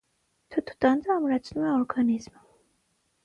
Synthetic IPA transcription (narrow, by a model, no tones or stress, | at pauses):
t̪ʰut̪ʰu̥d̪ʼand̪aːmɾat̪sʰnuaɔɾɡanizm